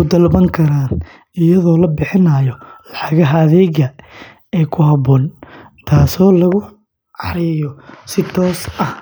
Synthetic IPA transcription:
ʊd̪ɐlbɐŋkʰɐɾaːn | ɪjɐðɔːlɐbɪħɪnajɔlɑħɑɣɐɦɐðɛːɣɐ | ɛːjkʰʊɦɐbɔːn | t̪ʰaːsɔːlɐɣʊ | ɑ̰ɾɪjɔsɪt̪ʰɔːsɐh

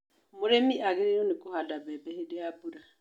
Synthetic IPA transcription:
mʊɾemiʔaɡɪɾejɔnɪkʊhadabɛbɛhedeabuɾa

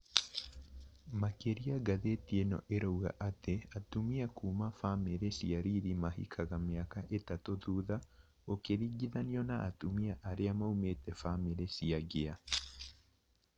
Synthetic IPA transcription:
makeɾiaɡaðetienɔ̰ʔeɾowɣa̰ʔateatumiakuːmafameɾesiaɾiɾimahḭkʰaɣameakaʔetatoðuːða | okeɾiːɡiðaniɔnaʔːtumiaʔaɾeamaumetɛfameɾesiaɡea

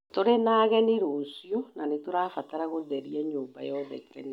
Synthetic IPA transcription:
toɾenaːɣɛneɾosjɔnanetoɾafataɾaɣoðɛɾiɛɲoːmba̰jɔðɛ̰kɛɾɛ̰n

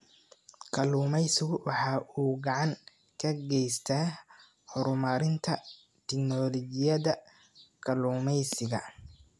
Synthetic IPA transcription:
kʰɐluːmɛjsɪɣwɑħɑːʔuːɡɑʕɑŋ | kʰɐɡɛjst̪ʰaː | hɔɾʊmɐɾɪnt̪ʰɐ | t̪ʰɛknɔːlɔɡɪjɐðɐ | kʰɐluːmɛjsɪɣɐ

